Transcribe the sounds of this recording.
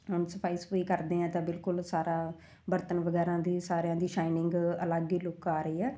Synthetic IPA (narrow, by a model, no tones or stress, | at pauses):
ɦʊnsəpʰaːiːspoːiːkəɾd̪eːãːt̪ãːbɪlkʊlsaːɾaː | bəɾt̪ənʋəɡɛːɾãːd̪iːsaːɾejãːd̪iːʃaːɪnɪ̃ŋɡələɡiːlʊkaːɾəiːɛː